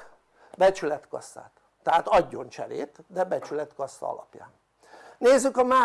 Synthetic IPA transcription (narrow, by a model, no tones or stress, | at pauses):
bɛt͡ʃylɛt̪kɒsːa̰ːt̪ːɛɦaːt̪ɒɟːo̞nt͡ʃɛɾḛːt̪d̪ɛbɛt͡ʃylɛt̪kɒsːɒ̰ɒ̰lɒ̰pja̰ːn | neːzːykɒmaː